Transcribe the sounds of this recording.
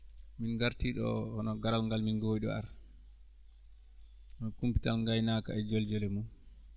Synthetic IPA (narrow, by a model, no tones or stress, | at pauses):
minɡaɾtiɗɔ̰hɔnɔɡaɾalŋɡalminɡojɗɔ̰a̰ɾ | ɔkumpi̥talŋɡajnaka̰ɛd͡ʒɔld͡ʒɔlɛmun